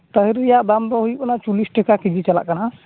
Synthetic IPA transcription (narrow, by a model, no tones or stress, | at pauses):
t̪əɦɛɾɛjaʔd̪amɾɔɦujkɔnaʔt͡ʃulisʈɛkakid͡ʒit͡ʃala̰ʔkana